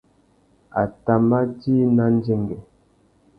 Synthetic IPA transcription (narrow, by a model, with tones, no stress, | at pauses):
a˨ta˨ma˦di˦na˦n˦d͡ʒe˦ŋɡɛ˨